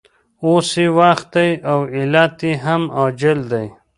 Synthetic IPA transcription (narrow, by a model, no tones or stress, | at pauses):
oːsiwaxt̪̚d̪ajawilat̪iɦamad͡ʒɪld̪aj